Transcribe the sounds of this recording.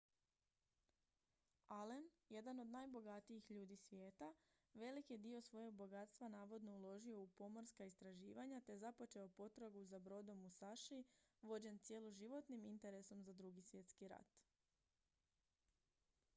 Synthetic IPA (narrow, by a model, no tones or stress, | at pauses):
alenje̞d̪ano̞d̪najbo̞ɡat̪iixʎuːd̪isʋʲjeːt̪a | ʋe̞likjed̪io̞sʋo̞jo̞ɡ̚bo̞ɡat̪st̪ʋanaːʋo̞d̪no̞ulˠo̞ʒio̞upo̞moɾskaist̪ɾaʒiːʋaɲat̪e̞zapo̞t͡ʃe̞o̞po̞t̪ɾaɡuzabɾo̞d̪o̞musaʃiʋo̞d͡ʑe̞nt̪sje̞loʒiʋo̞t̪nimint̪e̞ɾe̞so̞mzad̪ɾuɡisʋje̞t̪skiɾa̰t̪